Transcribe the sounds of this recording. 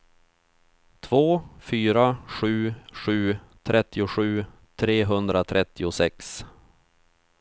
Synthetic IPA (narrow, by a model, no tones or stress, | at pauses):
t̪ʰv̥oːfyːɾaɧʉ̟ːɧʉ̟ː | t̪ʰɾʔɛt̪ːɪʊɧʉ̟ː | t̪ʰɾeːɦɵnd̪ɾat̪ʰɾʔɛt̪ːɪʊsɛks